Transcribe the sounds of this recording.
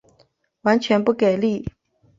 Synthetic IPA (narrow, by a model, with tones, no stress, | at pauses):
wa˧˥nt͡ɕʰɥɛ˧˥npu˥˩ke˨˩ɪli˥˩